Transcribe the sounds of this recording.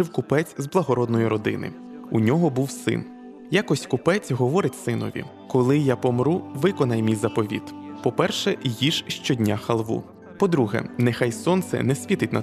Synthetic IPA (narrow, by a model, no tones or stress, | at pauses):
ɪwkʊpɛt͡sʲzblˠɐɦɔɾɔd̪nɔjʊɾɔd̪ɪ̰nɪ̰ | unʲɔɦɔbuwsɪ̰n | jakɔsʲkʊpɛt͡sʲɦɔʋɔɾɪtʲsɪnɔ̰ʋʲḭ | kɔlˠɪjapɔmɾuʋɪkɔnɐjmʲijzɐpɔʋʲḭt̪pɔpɛrʃɛjiʒʃt͡ʃɔdʲnʲaxɐlˠʋṵ | pɔd̪ɾuɦɛ̰nɛxajsɔnt̪sɛ̰nɛsʲʋʲit̪ɪtʲnɐ̰